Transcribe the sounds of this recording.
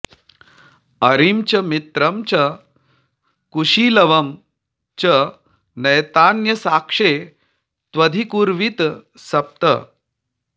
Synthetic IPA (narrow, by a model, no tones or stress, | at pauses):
ɐɾimt͡ɕɐmit̪ɾəmt͡ɕɐ | kuʂilɐʋɐm | t͡ɕə | nɐjt̪anjɐsakʂe | t̪ʋɐd̪ʱikuɾʋit̪ | sɐp̚t̪ə̰